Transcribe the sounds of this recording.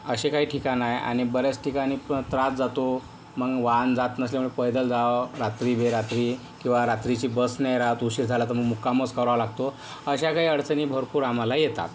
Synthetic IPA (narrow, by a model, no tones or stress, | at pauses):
əɕekaɦiːʈʰikãnaja̰ɽ̃ibəɾat͡sʈʰikaɽ̃iːt̪ɾat͡sd͡zat̪o | məɡʋand͡zat̪nəsleməɳepəjd̪əld͡zaʋɾat̪ɾibeɾat̪ɾi | kĩw̃ʋaɾat̪ɾit͡ɕiːbəsnejɾat̪uɕit̪d͡zʱalat̪əɾməɡmukamət͡skəʋɾalaɡ̚t̪o | əɕakaɦiːəɽt͡səniːbʱəɾpuːɾam̤alajet̪a̰t̪